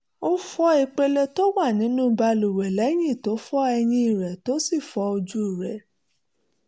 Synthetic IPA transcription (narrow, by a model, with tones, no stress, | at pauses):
o˦fɔ˦e˧k͡pe˧le˧to˦wa˦˨nĩ˨˦nũ˦ba˧lu˨wɛ˨lɛ˨˦j̃ĩ˦˨to˨˦fɔ˦ɛ˧j̃ĩ˧i˨ɾɛ˨to˦si˦˨fɔ˧˦o˧d͡ʒu˦˨ɾɛ˨˦